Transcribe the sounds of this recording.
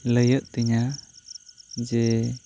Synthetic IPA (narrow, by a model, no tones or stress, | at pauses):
ləjəʔ̚t̪iɲa | d͡ʒɛ